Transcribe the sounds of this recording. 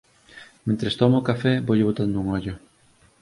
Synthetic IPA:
mẽnt̪ɾest̪ɔmookafɛboʎɪβot̪and̪ʊuŋɔʎʊ

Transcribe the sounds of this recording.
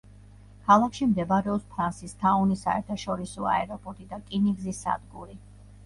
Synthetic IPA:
kʰalˠakʰʃimd̪ɛbaɾɛɔpspʰɾansist̪ʰaɔnisa̰ɛɾt̪ʰaʃɔɾisɔa̰ɛɾɔpʼɔɾt̪ʼid̪akʼiniɡzisa̰d̪ɡuɾi

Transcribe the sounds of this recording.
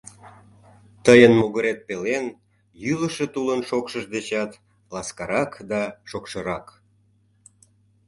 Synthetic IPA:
t̪əjənmoɣəɾet̪̚pelen | jyləʃet̪ulənʃokʃəʒd̪et͡ɕɑt̪ | lɑskɑɾɑkd̪ɑʃokʃəɾɑk

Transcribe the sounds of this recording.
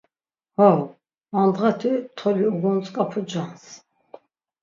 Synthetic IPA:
hɔw | and̪ʁat̪ʰit̪ʰɔliuɡɔnt͡sʼkʼapʰud͡ʒans

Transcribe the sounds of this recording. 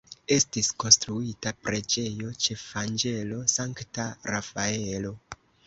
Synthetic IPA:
e̞stisko̞nstɾuitapɾe̞d͡ʒe̞jo̞t͡ʃe̞fand͡ʒe̞lo̞saŋktaɾafaeeelo̞

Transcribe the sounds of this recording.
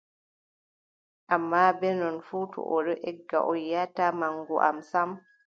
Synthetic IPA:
ʔamːabɛnɔnfuːtɔ̰ʔɔɗɔʔɛɡːa̰ʔɔjjatamaŋɡuʔa̰msam

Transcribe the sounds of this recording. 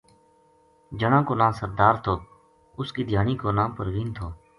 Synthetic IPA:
d͡ʒəɳãːkoːnãːsəɾd̪aːɾt̪ʰoː | ʊskiːd̪ʱjaːɳiːkoːnãːpəɾʋiːnt̪ʰoː

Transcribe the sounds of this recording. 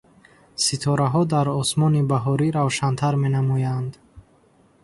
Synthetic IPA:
sit̪ʰɔɾaɦɔd̪aɾɔsmɔnibaɦɔɾiɾavʃant̪ʰaɾme̞namɔjand̪

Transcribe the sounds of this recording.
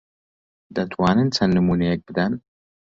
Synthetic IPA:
d̪ɐt̪ʰwaːnɨnt͡sʰɐnːɨmunek̚b̥ɨd̪ɐn

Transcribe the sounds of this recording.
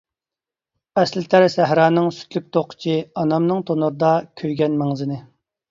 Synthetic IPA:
ɛslɪt̪ʰæɾsæɦɾɑːnɨŋsy̥t̪ʰlyk̚ʲt̪ʰoqʰə̥t͡ʃʰiɑnɑmnɨŋt̪ʰonuɾɨd̪ɑkʲʰøjɡʲɛnmæŋzɪnɪ

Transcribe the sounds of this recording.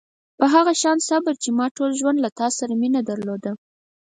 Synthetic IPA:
pəɦaɣaʃɑnsabəɾt͡ʃemɑʈolʒwand̪lat̪ɑsaɾaminad̪aɾlod̪a

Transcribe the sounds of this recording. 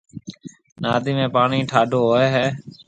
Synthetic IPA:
naːd̪iːmẽːpaːɳiːʈʰaːɖʱoːɦoːeːɦeː

